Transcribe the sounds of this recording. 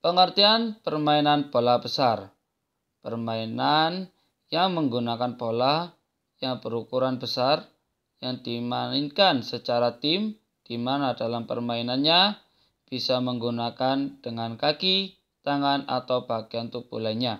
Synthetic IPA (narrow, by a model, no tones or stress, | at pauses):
pəŋərt̪ianpərmainanpolahb̥əsar | pərmainan | jaŋməŋɡunakanpolah | jaŋb̥əɾukuɾanbəsar | jaŋd̥imaninkansət͡ʃaɾat̪ɪm | d̥imanadalampə̰rmainanɲa | b̥isaməŋɡunakand̥əŋankaki | t̪aŋana̰t̪awb̥aɡiant̪upṵlaɲa